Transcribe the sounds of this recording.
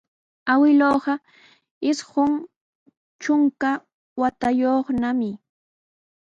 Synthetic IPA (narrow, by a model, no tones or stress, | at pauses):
awɪloːɢɑ | ɪsɢʊŋ | t͡ʃʊŋka | wat̪ajoχnamɪ